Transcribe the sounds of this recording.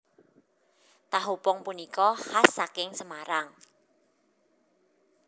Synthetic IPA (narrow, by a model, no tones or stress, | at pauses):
t̪aɦupɔŋpunikɔhasːakɪŋsəmaɾaŋ